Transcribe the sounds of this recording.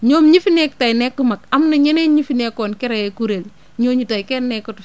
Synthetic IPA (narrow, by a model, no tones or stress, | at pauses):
ɲomɲifinek̚tajnɛkːumakamnaɲeneɲifinekonkɛɾajekuɾel | ɲoɲitajkɛnːɛkːɔt